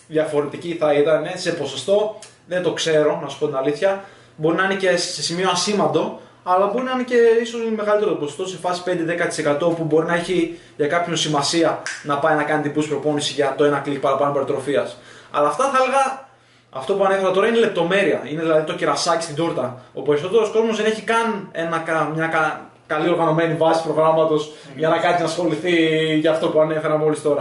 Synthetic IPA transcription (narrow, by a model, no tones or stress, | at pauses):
ðjɐfo̞ɾet̪iciθɐit̪ɐne̞se̞po̞so̞st̪o̞ | ðe̞nt̪o̞kse̞ɾo̞nɐsu̥po̞t̪inaliθçɐ | bo̞ɾinɐinece̞se̞simioɐsimɐnd̪o̞ | ɐlɐbo̞ɾinɐinece̞iso̞sme̞ɣɐlit̪eɾot̪oposost̪o̞se̞fɐsi̥pnd̪e̞ðe̞kɐt̪i̥se̞kat̪o̞pubo̞ɾinɐe̞çi | ʝɐkɐpçonsimɐsiɐnɐpɐjnɐkɐnit̪ibuspɾo̞po̞nisiʝɐt̪o̞enɐklik̚pɐɾɐpɐnombeɾot̪ɾo̞fiɐsɐ̰lɐːft̪ɐθɐelɣɐ | ɐ̰ft̪o̞puɐne̞fe̞ɾɐt̪o̞ɾɐine̞le̞p̚t̪o̞me̞ɾiɐineðilɐðit̪ociɾɐsɐci̥sid̪oɾt̪ɐo̞̰pe̞ɾiso̞t̪eɾo̞sko̞zmozðe̞neçikɐne̞nɐkɐmɲɐkɐ | kɐlio̞ɾɣɐno̞me̞nivɐsi̥pɾoɣɾɐmɐt̪o̞s | ʝɐnɐkɐt̪sinɐsxo̞liθiʝɐːft̪o̞puɐne̞fe̞ɾɐmo̞list̪o̞ɾɐ